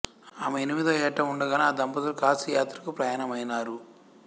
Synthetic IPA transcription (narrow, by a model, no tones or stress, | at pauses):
aːmɐenimid̪ɐjɛʈːɐmuɳɖɐɡaːnaːd̪ɐmpɐd̪ɐlukaːsɐjaːt̪ɾɐkupɾɐjaːnɐmɐjnaːɾu